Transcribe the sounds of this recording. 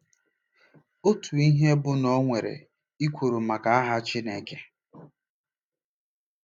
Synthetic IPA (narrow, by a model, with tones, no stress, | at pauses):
o˦tu˨i˦ɦe˦bʊ˦nɔ˦ŋʷe˨ɾḛ˨ | i˦kʷo˨ɾo˨ma˨ka˨a˦ɦa˦t͡ʃi˦ne˦ke˦